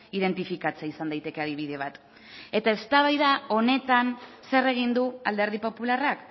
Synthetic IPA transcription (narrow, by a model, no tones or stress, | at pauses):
iðe̞nt̪ifikat͡seisand̪ajt̪e̞ke̞aðiβ̞ið̞e̞β̞at̪ | e̞t̪ae̞st̪aβ̞ajðao̞ne̞t̪anse̞re̞ɣ̞ind̪uald̪e̞ɾð̞ipo̞pularak